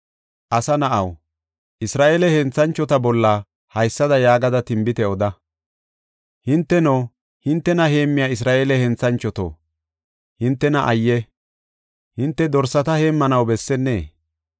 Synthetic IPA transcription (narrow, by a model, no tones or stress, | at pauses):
ʔɐsɐnɐʔɐw | ʔɪsɾaːʔeːlɛhɛnt͡sːɐnt͡ʃːɔt̪ɐbɔlːɐ | hɐjsːɐd̪ɐjaːɡɐd̪ɐt̪ɪmbɪt̪ɛɔd̪ɐ | hɪnt̪ːɛnoː | hɪnt̪ːɛnɐhe̞ːmːɪjaːɪs̬ɾaːʔelɛhɛnt͡sɐnt͡ʃːɔt̪o̰ː | hɪnt̪ːɛnɐʔɐjːɛ | hɪnt̪ːɛd̪ɔɾsːɐt̪ɐhe̞ːmːɐnɐwbɛsːɛnːḛː